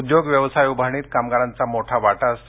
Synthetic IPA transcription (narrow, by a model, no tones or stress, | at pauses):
d̪joɡʋjəʋsajubʱaɳ̃iːt̪kamɡaɾant͡samoʈʰaʋaʈas